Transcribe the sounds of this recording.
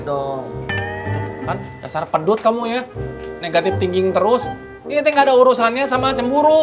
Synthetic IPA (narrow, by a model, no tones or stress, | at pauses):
dɔ | kanda̰sarpədʊt̪̚kamujaneɡat̪ɪft̪iŋɡɪŋt̪əɾʊs | iat̪ɛŋɡaːdauɾusanɲasamat͡ʃəmbuɾu